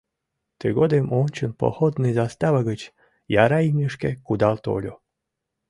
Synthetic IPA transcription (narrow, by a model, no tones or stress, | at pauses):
t̪eɣod̪emʔonʲt͡ɕənpo̰xod̪nɨjzast̪ɑβəɣət͡ɕ | jɑɾɑimʲiʃkekud̪ɑlt̪o̰lʲo̰